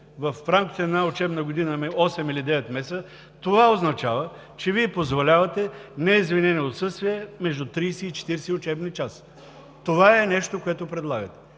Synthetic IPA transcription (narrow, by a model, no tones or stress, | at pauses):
vɐfːɾamkʲi̥t̪ɛːd̪naʊt͡ʃɛbnəɡod̪inəmɛɔsɛmilid̪ɛvɛt̪mɛsə | t̪ovaoznɐt͡ʃavə | t͡ʃɛviɛpozvolʲavɐt̪ɛnɛizvinɛnɛot̪sɤst̪viɛmɛʒd̪ʊt̪ɾiːsɛit͡ʃɛ̥t̪iɾsɛʊt͡ʃɛbnit͡ʃas | t̪ovaɛnɛʃt̪okoɛt̪ʊpɾɛd̪lˠaɡət̪ɛ̥